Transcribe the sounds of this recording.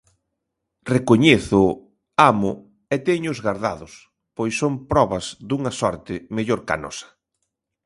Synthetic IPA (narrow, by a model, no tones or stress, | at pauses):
rekoɲeθʊ | amʊ | et̪ɛɲʊʊzɣaɾðaðʊs | pojsːompɾɔβɐzd̪uŋɐsɔɾt̪ɪmeʎoɾka̰nɔ̰sɐ̥